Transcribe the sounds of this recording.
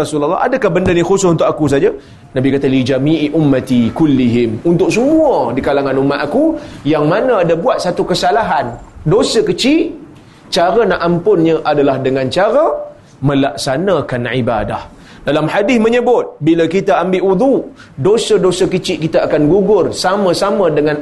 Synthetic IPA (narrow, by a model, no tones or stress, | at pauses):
asulalːa̰ʔa̰dakahbəndənixosʊsunt̪ʊkakus̬ad͡ʒa | nãbikat̪alid͡ʒamiʔʔumːat̪ikulːiɦɪmunt̪ʊk̚səmuədikalaŋãnumaʔakujaŋmanəadabuat̪̚sat̪ukəsalaɦandosəkət͡ʃil | t͡ʃaɾənaʔampʊnɲə̃ʔadalahdəŋãnt͡ʃaɾə | mə̃lak̚sanãkanʕibada̰h | dalamħadɪθməɲəbʊt̪̚bilakit̪aambɪʔwud̪u | dosədosəkət͡ʃɪʔkit̪aakanɡuɡʊrsamə̃samə̃dəŋãn